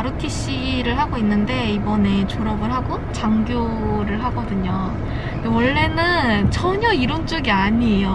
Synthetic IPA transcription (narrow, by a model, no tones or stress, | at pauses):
aɾutʰiɕ͈iɾɯɭɦaɡoinːɯnde̞ibʌne̞t͡ɕoɾʌbɯɭɦaɡot͡ɕaŋɡjo | ɾɯɭɦaɡʌdɯɲo | ndewʌɭːe̞nɯnt͡ɕʰʌɲʌiɾont͡ɕ͈oɡiaɲijo